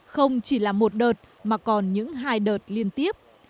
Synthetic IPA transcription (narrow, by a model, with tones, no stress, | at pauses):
xə˧wŋ͡mt͡ɕi˧˩laː˨˩mo˨˩t̚ɗəː˨˩t̚ | maː˨˩kɔ˨˩nɲɨ̰˧˥ŋɦaː˧jɗəː˨˩t̚li˧ənt̪i˦˥əp̚